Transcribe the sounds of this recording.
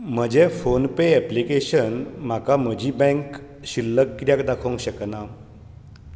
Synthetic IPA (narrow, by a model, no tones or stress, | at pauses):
m̤əd͡ʑefonpeɛplikeɕənm̤akam̤əd͡ʑiːbɛ̃ŋk | ɕilːəkːɾjakd̪akʰũŋkɕəkna